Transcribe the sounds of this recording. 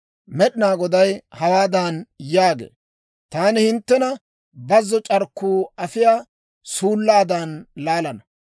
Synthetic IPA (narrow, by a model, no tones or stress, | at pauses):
mɛɗɪnaːɡɔd̪ɐjhɐwaːd̪aːnjaːɡḛː | t̪aːnɪhɪnt̪ːɛnɐ | bɐzːɔt͡ʃʼɐɾkːuːɐfɪjaː | suːlːaːd̪aːnlaːlɐnɐ